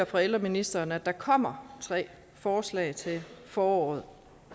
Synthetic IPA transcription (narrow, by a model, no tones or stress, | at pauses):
ɐfʁɑel̰ʁɐminisd̥ɐːnəæd̥ɑ̈kʰɒ̽m̰ɐt͡sʰʁɛ̰ː | fɒːslɛ̰ːɪt͡sʰe̝fɒːɒ̰ːð̞̩ˠ